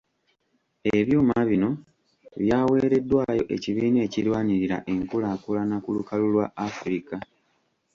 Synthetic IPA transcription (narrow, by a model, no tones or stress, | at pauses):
eβjuːmaβino̞ | βjaːwe̞ːɾe̞dːwaːjo̞ʔe̞̰ciβiːne̞ːcilwaːɲiɾiɾa̰ʔe̞ŋkulakulanakulukalulwa̰ːfuɾika